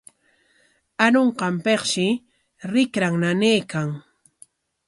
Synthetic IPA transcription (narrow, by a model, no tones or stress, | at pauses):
anoɴqɑmpeχʃɪ | ɾɪkɾaŋnaneːkaŋ